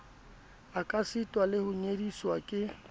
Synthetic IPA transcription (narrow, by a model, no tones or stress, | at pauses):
akʼasɪtʼwalɪhʊɲediswakʼɪ